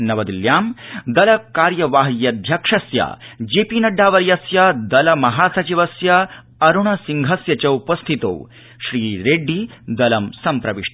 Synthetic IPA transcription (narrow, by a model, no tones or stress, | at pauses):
nɐʋɐd̪iljaːmd̪ɐlɐkaːɾjɐʋaːɦɐjɐd̪ʱjɐkʂɐsjɐ̰d͡ʒeːpiːnɐɖːaːʋɐɾjɐsjɐd̪ɐlɐmɐɦaːsɐt͡ʃiʋɐsjɐ | ɐɾuɳɐsiŋɡʱɐsjɐt͡ʃɐupɐst̪ʰit̪o̰ːw | ʃɾiːɾeːɖʱːid̪ɐlɐmsɐmpɾɐʋiʂ